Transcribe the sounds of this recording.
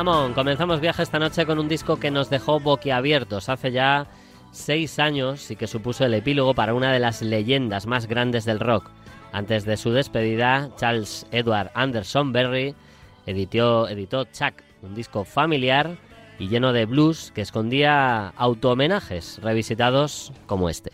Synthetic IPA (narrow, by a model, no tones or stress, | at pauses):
amõŋko̞menθamo̞zβjaxeest̪ano̞t͡ʃe̞ko̞nũnd̪isko̞ke̞no̞zðe̞xo̞βo̞kiaβ̞je̞ɾt̪o̞saθe̞ʝa | se̞jsaɲo̞sike̞supuso̞e̞le̞pilo̞ɣ̞o̞paɾaunað̞e̞lazle̞ʝe̞nd̪azmazɣɾand̪e̞zðe̞lro̞ka̰nt̪e̞zðe̞suð̞e̞spe̞ð̞iðat͡ʃalseðwaɾðand̪e̞ɾso̞mbe̞ri | eðioeðit̪o̞t͡ʃak | und̪isko̞familjaɾ | iʝe̞no̞ð̞e̞βluske̞ːsko̞nd̪iaːwt̪oːmẽ̞naxe̞sre̞β̞isit̪að̞o̞sko̞mo̞e̞̰st̪e̞̥